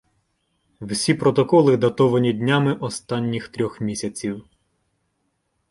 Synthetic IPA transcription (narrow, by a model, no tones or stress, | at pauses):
wsʲipɾɔt̪ɔkɔlˠɪd̪ɐt̪ɔʋɐnʲid̪ʲnʲamɪʔɔst̪ɑnʲːixt̪ɾʲɔxmʲisʲɐt͡sʲiw